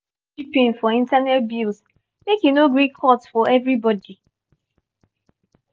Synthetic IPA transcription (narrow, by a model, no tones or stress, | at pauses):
ipĩnfɔĩntanɛt̚bils | mekĩnoɡɹikʰɔtsfɔɛvɹibɔdi